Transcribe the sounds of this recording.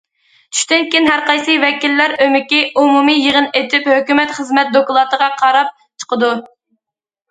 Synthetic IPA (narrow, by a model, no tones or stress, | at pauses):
t͡ʃʰy̥ʃt̪ɪnkʲinɦæɾqɑjsɨvɛkʲilːæɾømɪkʲiʔumumijeʁənet̪ʰyphøkʲymɛt̪χəzmɛt̪̚d̪okulˠɑt̪əʁɑqʰɑɾɑp̚ | t͡ʃʰə̥qəd̪u